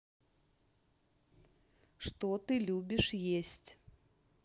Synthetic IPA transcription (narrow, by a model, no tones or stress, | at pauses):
ʂt̪ɔt̪ɨlʲubʲɪʂjesʲtʲ